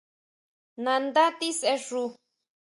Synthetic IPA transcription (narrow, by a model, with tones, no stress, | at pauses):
nã˧nd̪a˦t̪i˦se˧ʐu˧